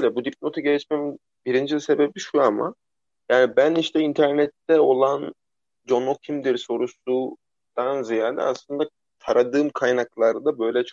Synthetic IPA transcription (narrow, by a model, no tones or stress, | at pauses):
jlʲɛbud̪iplʲˠo̞t̪ʰaɟet͡ʃmɛm | biɾind͡ʒizʲse̞bebiʃuama̰ | jaːnibæniʃt̪ʰɛint̪ʰæɾnɛt̪ːɛo̞lˠan | d͡ʒo̞nocʰimd̪iɾso̞ɾusu | d̪̥anzijaːd̪ɛ̰aslˠɯnd̪a | t̪ʰaɾad̪ɯːmkʰajnaklˠaɾd̪abø̞jlʲɛt͡ʃʰ